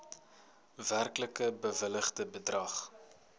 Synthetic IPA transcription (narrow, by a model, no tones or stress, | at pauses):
værkləkəbəvələχdəbədrɐχ